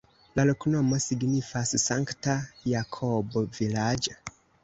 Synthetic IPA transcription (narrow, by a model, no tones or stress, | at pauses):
laloknomosiɡnifassaŋktajakʰobovilad͡ʒa